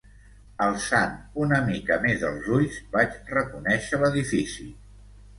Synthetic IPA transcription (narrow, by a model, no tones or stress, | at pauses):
əlˠsanunəmikəmezðə̰lˠzuʎzbat͡ʃrəkunɛʃələðifisi